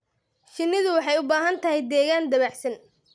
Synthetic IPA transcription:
ʃɪnːɪðʊwɑħɑjʊbaːɦɐnt̪ʰɐɦɛjd̪ɛːɣaːnd̪ɐβaħsɐn

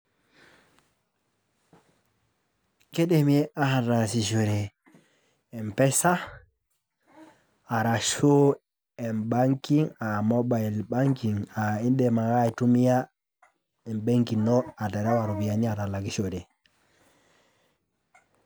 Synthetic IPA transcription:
kɛɗɛmiɛʔahaɾasiʃoɾɛ | mpɛsa | ɾaʃo | ɛnbaŋkiŋamɔbajlbaŋkiŋainɗɛmahajtumija | ɛnbeŋkinɔataɾawaɾubijaniatalaɡiʃodɛ

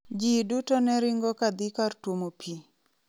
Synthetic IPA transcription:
d͡ʒidutɔnɛɾɪŋɡɔkad̪ikartwomopʰi

